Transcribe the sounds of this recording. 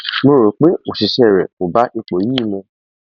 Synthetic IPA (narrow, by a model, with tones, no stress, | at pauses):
mo˧ɾo˨k͡pe˦o˨si˨ʃɛ˦˨ɾɛ˨mo˨ba˨˦ʔi˧k͡po˨˦jĩ˦˨mɔ̃˧